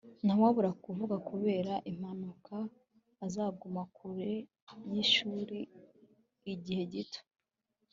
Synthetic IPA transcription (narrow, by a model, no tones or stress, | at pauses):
nawaβuɾakuvuɡakuβe̞ːɾaʔim̥hanukʰaː | zaːɡumakuɾe̞ | jiʃuːɾiː | ɟihe̞ɟito̥